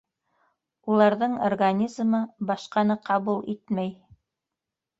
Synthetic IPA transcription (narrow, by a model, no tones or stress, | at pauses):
ulˠɑɾðɤɴorɡanʲizmɤbɑʃqɑnɤqɑβulˠit̪mæj